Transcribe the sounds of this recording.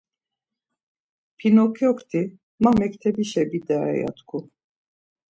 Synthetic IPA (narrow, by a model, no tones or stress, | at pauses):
pʰinɔkʰiɔkʰt̪ʰi | mamɛkt̪ʰɛbiʃɛbid̪aɛ̰ja̰t̪kʰu